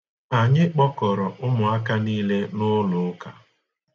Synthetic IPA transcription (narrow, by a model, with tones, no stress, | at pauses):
a˨ɲɪ˦k͡pɔ˦kɔ˨ɾɔ˨ʔʊ˦mʊ˨a˦ka˦niː˦le˦nʊ˦lʊ˨˦ka˨